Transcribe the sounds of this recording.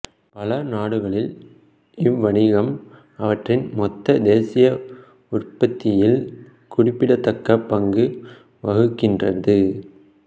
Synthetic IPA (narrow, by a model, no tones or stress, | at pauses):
pɐlɐnaːɽɯɣɐɭɪl | ɪʋːɐɳɪɣɐm | ɐʋɐʈrɪnmɔt̪ːɐd̪eːsɪjɐ | ʊrpɐt̪ːɪjɪl | kʊɽɪpːɪɽɐt̪ːɐkːɐpːɐŋɡɯ | ʋɐɣɯkːɪndrɐðɯ